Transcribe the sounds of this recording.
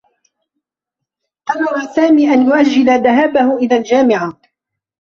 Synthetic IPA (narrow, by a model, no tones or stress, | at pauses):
ʔɑɾɑɾˤɑsaːmiːʔanjʊʔad͡ʒːɪlaðaɦaːbahʊʔɪðaːld͡ʒaːmɪʕa